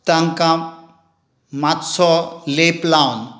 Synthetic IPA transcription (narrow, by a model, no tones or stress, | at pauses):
t̪aŋkã | mat̪sɔleplawn